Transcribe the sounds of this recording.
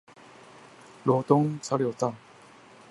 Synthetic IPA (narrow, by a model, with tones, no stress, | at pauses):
lwɔ˧˥t̪ʊ˥ŋt͡sʰa˥ljo˨˩t̪a˥˩˨